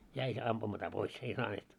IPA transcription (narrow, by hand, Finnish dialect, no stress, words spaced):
jæi se ɑmpumɑtɑ pois ei sɑːneːt